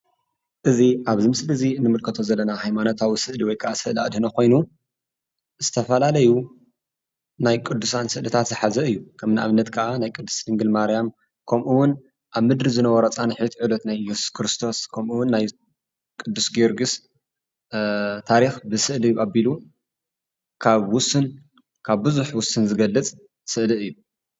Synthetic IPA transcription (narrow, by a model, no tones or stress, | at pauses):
ʔɨziʔaβzimsɨlɨzinːɨmɨlkʰɐt̪ʰo̞zɐlːɐnahajmanot̪ʰawisɨʔliwɔjkʰɐʔasɨʔlia̰d̪hnɐko̞jnu | zɨt̪ʰɐfɐlalɐju | najkʼɨd̪ːusansɨʔlɐt̪ʰat̪zɨħazɐɨjːukʰɐmnaʔa̰βɨnːɐt̪kʰɐʔanajkʼɨd̪ːu̥slɨŋɡɨlmaɾijam | kʰɐmʔuwʊn | ʔaβmɨd̪ɾizɨnɐwɔɾɐt͡sʼanħɨt̪ʰʕɨlot̪najjɛsu̥skʰɾɨst̪ʰo̞skʰɐmʔuwʊnːaj | kʼɨd̪ːusɡeɾɡɨs | t̪ʰaɾixbɨsɨʔlijuʔabilu | kʰaβwʊsːɨn | kʰaβbɨzuħwʊsɨnzɨɡɐlːɨt͡sʼ | sɨʔliɨjːu